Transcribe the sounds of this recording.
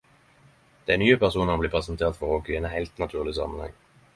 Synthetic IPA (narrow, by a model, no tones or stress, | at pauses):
d̪̥ɛænyːəpʰæʁsuːnɔmbliːpʰʁɛsənt̪ʰeːʁt̪fɔʁokʏeːnɦæɪlt̪nɑt̪ʰʉːʁlɪsɑ̰mːənhɛ̰ŋː